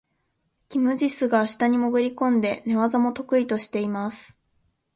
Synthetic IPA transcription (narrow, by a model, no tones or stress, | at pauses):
kʲimɯ̟ʑisɨɡaːɕi̥t̪aɲ̟imo̞ɡɯ̟ɾʲikõ̞nd̪e̞ne̞βazamo̞t̪o̞kɯ̟it̪o̞ɕi̥t̪e̞imasɨ̥